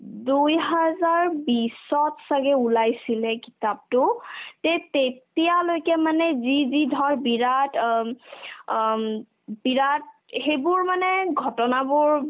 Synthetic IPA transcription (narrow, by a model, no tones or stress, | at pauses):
dujɦazaɹbisɔtsaɡɛulajsilɛkitap̚tʊtɛtetijalojkɛmanɛzizidʱɔɹbiɹat | biɹat̚ | xejbʊɹmanɛɡʱɔtɔnabʊɹ